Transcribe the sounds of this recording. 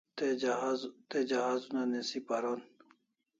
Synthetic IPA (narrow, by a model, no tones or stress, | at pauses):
t̪eazt̪ed͡ʑɐɦaːzunanesipaɾon